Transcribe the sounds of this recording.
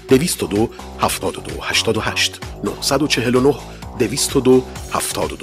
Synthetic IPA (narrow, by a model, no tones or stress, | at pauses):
d̪̥e̞viːst̪od̪o | hæft̪ʰɒːd̪od̪o̰hæʃt̪ʰɒːd̪ohæʃt̪no̰hsæd̪ot͡ʃʰe̞ɦelonoh | d̪eviːst̪ʰod̪ohæft̪ʰɒːd̪od̪o